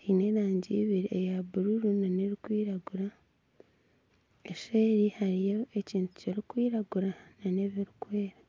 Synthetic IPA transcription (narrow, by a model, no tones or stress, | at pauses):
ine̞ɾaːɲɟiːβiɾiejaβuɾuɾunaneɾikwiːɾaɡuɾa | eʃeːɾihaɾijoeciːntu̥ceɾikwiːɾaɡuɾanane̞βiɾikwe̞ːɾa